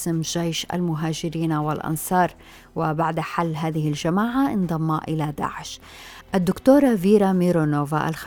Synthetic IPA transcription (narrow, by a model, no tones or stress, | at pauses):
sɪmʒejʃʔa̰lmʊɦaːd͡ʒɪɾiːnawɪlʔɑ̰nsˤɑːɾˤ | wɪbaʕd̪ħalːɦaːðɪhɪlʒamaːʕaʔɪnd̪ˤɑmːɑʔɪlad̪a̰ːʕɪʃ | ʔad̪ːʊkt̪oːɾˤɑviːɾamiɾonoːva̰ʔa̰lx